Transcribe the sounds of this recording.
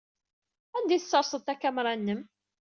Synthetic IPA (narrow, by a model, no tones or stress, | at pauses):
ænd̪iθət͡sːɑɾˤsˤət̪ːækːæmɾˤɑnːəm